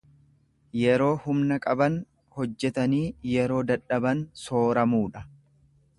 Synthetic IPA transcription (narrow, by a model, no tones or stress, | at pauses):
jɛɾo̞ːhʊmnɐkʼɐbɐn | hɔd͡ʒːɛt̪ɐniːjɛɾo̞ːd̪ɐᶑːɐbɐnso̞ːɾɐmuːᶑɐ